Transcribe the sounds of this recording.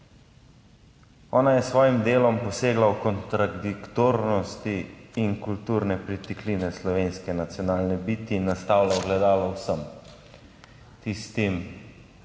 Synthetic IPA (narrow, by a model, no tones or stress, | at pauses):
ɔːnajɛsʋɔːjimd̪eːlɔmpɔseːɡlawkɔnt̪ɾad̪ikt̪oɾnɔst̪iːnkult̪uːɾnɛpɾit̪ikliːnɛslɔʋeːnskɛnat̪sjɔnaːlnɛbiːt̪iːnːast̪aːwlaɔɡlɛd̪aːlawsəm | t̪ist̪im